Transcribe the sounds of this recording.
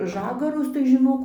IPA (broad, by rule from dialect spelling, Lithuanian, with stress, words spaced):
ˈʒɑːɡɐrʊs tɐɪ ʒʲɪˈnoːk